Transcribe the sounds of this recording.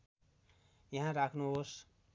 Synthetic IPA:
jʌɦãɾakʰnuɦos

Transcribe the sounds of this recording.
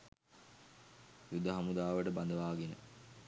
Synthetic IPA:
jud̪ʱːəɦɐmud̪aːʋəʈəband̪əʋaːɡenə̰

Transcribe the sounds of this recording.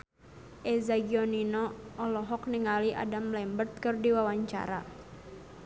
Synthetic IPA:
ʔɛzaɡiɔninɔːlɔɦɔk̚niŋaliʔa̰damlɛmbərt̪̚kɨrdiwawaɲt͡ʃa̰ɾa̰

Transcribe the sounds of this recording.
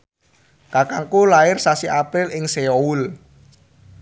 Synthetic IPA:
kakaŋkulaɪrsasiʔapɾɪlɪŋseoul

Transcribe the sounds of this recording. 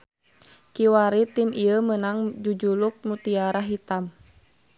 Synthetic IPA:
kiwaɾit̪imʔiəmənaŋd͡ʒud͡ʒuluk̚mut̪iaɾaɦit̪am

